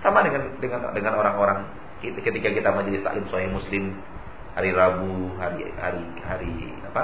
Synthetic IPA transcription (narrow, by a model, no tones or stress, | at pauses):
samadəŋandəŋan̰dəŋanoɾaŋoɾaŋ | kikət̪ikakit̪amad͡ʒalɪst̪a̰ʔlɪmsaɦihmuslɪm | haɾiɾabuɦaɾiha̰ɾi | haɾḭ | apa